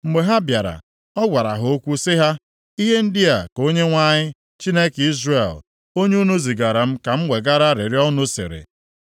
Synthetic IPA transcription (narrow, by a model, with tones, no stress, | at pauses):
ŋ͡m̩˨ɡ͡be˨ɦa˦bja˨ɾa̰˨ | ɔ˦ɡʷa˨ɾa̰˨ɦo˦kʷu˦sɪ˦ɦa˦ | i˦ɦe˦n̩˦dɪ˦a˨ko˦ɲe˦ŋʷa˦ɲɪ˦ | t͡ʃi˦ne˦ki˦zre˨l | o˦ɲ˦u˦nu˦zi˨ɡa˨ɾa˨m̩˦ka˨m̩˦ŋʷe˨ɡa˦ɾa˦ɾɪ˨ɾjɔ˦nʊ˦sɪ̰˨ɾɪ̰˨